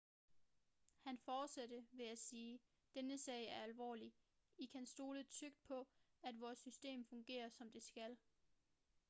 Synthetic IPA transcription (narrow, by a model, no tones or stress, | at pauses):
hænfɒːd̥sed̥əʋe̝æsiː | d̥enəsɛ̰ɪ̰æɐælʋɒ̰ːli | ikʰænsd̥o̝ːləð̩ˠt͡sʰøɡ̥̚d̥̚pʰɒ̽ | æd̥ʋɒːsːysd̥e̝̰ːmfɔ̽ŋɡ̥e̝̰ːɐsɒ̽md̥e̝sɡ̥æl